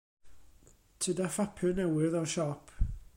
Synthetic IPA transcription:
tʰədafapʰɨnɛwɪðɔʃɔpʰ

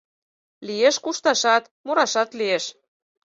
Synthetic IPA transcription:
lieʃkuʃt̪ɑʃɑt̪ | moɾɑʃɑt̪lieʃ

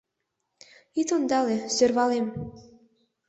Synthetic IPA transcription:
it̪ond̪ɑlesørβɑlem

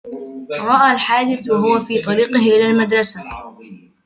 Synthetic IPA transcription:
ɾˤɑʔaːlħaːd̪ɪθɦʊwafiːt̪ˤɑɾiːqɪhʔɪlaːlmad̪ɾˤɑsa

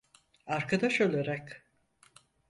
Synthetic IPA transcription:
aɾkʰad̪aʃølʲeɾak

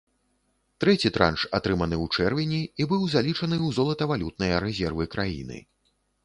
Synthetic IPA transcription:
t̪ɾɛt͡sʲit̪ɾa̰nʂat̪ɾɨmɐnɨwt͡ʂɛrvʲinʲiːbɨwzalʲit͡ʂɐnɨwzɔlˠɐt̪ɐvalʲut̪̚nɐjɐɾɛzʲɛrvɨkɾajḭnɨ̰

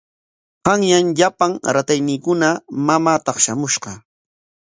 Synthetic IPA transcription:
ɢɑŋjaŋʎapaŋɾat̪ajniːkʊnamamaːt̪ɑχʃamʊʃɢɑ

